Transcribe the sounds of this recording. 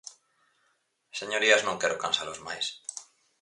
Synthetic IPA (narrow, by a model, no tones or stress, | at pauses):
seɲo̞ɾiaznõŋkeɾokansalozma̰js